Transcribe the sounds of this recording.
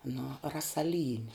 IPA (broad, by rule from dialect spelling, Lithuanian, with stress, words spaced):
nʊ rɐsɐˈlʲiːnʲɪ